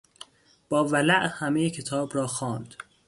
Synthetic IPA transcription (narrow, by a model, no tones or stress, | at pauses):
b̥ɒːvælæʔhæmejecʰe̞t̪ʰɒːbɾɒːxɒːnd̪̥